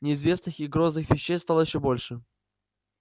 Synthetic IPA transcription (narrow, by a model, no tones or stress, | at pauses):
nʲɪɪzvʲe̞snɨxɪɡɾoznɨxvʲɪɕːejst̪alˠəjɪɕːobolʲʂɨ